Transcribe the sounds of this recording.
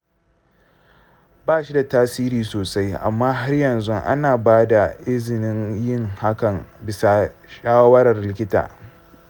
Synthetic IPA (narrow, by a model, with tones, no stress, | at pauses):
baː˦ʃi˦da˨taː˦siː˦ɾiː˨soː˨sa˦jʔa̰˨mːaː˦ɦa˦rjɐ˨nzʊ˦ʔa̰˦naː˨baː˦da˨ʔɪ˦zɪ˨nɪ˦ŋjɪ˦˨ŋha˦kɐ˨ŋbɪ˨sa˨ʃaː˦wɐ˦ɾɐ˨rlɪ˦kʲɪ˦ta̰ː˨